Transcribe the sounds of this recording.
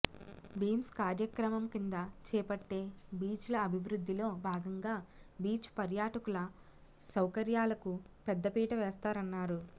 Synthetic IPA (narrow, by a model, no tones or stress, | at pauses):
biːmskaːɾjɐkɾɐmɐmkind̪ɐt͡ʃɛːpɐʈːe̞ːbiːt͡ʃlɐːbʱiʋɾud̪ʱːilo̞ːbʱaːɡɐŋɡaːbiːt͡ʃpɐɾjaːʈɐkulɐ | sɐwkɐɾjaːlɐkupɛd̪ːɐpiːʈɐʋɛːst̪aːɾɐnːaːɾu